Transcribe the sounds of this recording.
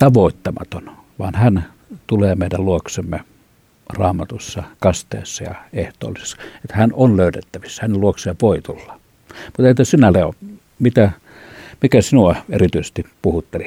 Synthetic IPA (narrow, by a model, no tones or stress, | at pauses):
t̪ɑʋoˑit̪ːɑmɑ̰t̪on | ʋɑːnhæn | t̪uleːmeˑidælluoksemːe | rɑːmɑt̪usːɑkɑst̪ḛːsːɑjɑ̰eht̪ˑo̰ːlise̥sːɑ̥et̪hænonløˑytet̪ːæʋisːæhæneluokseːʋoˑit̪ulːɑ̥ | mut̪ent̪æsinæleo̰ | mit̪æ | mikæsinuɑḛrit̪yise̥st̪ipuhut̪ːeli